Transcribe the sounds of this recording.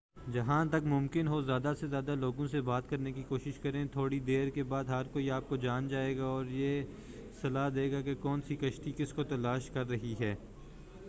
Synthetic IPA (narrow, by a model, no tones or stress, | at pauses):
d͡ʒɐɦãt̪ɐkmʊ̃mkɪnɦozjaːd̪asezjaːd̪aloːɡõsebaːt̪kɐɾnekikoːʃɪʃkɐɾẽt̪ʰoːɽid̪eːɾkebaːd̪ɦɐɾkoiaːp̚kod͡ʒaːnd͡ʒaːeːɡaɔːɾjeː | sɐlaːd̪eːɡakekɔːnsikɐʃʈ̪ikɪskot̪ɐlaːʃkɐɾːɐɦiɦɛː